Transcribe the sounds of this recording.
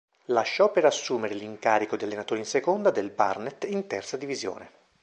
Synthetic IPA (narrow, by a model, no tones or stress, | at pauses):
laʃːɔpːeɾasːuːmeɾeliŋkaːɾikod̪ialːenat̪oːɾinsekond̪ad̪elba̰rnet̪int̪ɛrt̪sad̪ivizjo̰ːne